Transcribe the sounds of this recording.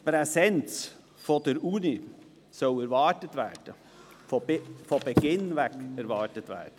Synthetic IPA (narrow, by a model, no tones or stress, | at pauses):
pɾɛsɛnt͡s | fɔd̥əɾʔuːni | sɔlɛɾvɑɹtətvæːɹd̥ə | ffɔbɛɡ̥ɪnvɛkɛɾvɑːɹtətvɛ̰ːd̥ə